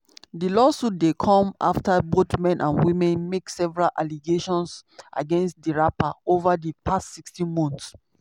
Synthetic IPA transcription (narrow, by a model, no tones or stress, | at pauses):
dilɔsut̚dekʰɔ̃ma̰ftabotmɛ̃nʔãnwĩmɛ̃nmeksɛvɹalʔaliɡeʃɔ̃nsʔa̰ɡɛ̃nstdiɹapaovadipʰastsikstĩnmɔ̃nθs